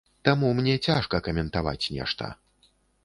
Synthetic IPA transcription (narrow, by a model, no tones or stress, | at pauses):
t̪amumnʲɛt͡sʲaʂkɐkɐmʲɛnt̪ava̰t͡sʲnʲɛ̰ʂt̪ɐ̰